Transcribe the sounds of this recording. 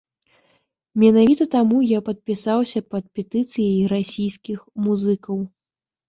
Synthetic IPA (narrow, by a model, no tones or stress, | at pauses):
mʲɛnavʲit̪ɐt̪amujapɐt̪̚pʲisawsʲɐpɐt̪̚pʲɛt̪ɨt̪sɨjɐjɾasʲijskʲixmuzɨkɐw